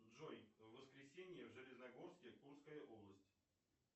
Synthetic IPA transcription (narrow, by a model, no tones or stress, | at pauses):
ʐojvːəskɾʲɪsʲenʲɪjəvʐɨlʲɪznɐɡo̞rskʲɪkurskəjəʔo̞blˠəsʲtʲ